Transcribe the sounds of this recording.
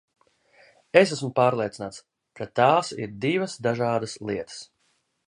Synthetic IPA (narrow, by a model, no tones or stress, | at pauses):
es̬æsmʊpaːɾlˠiɛt̪sinaːt̪s | kat̪aːsḭɾd̪ivɐsd̪aʒaːd̪aslˠiɛt̪ə̥s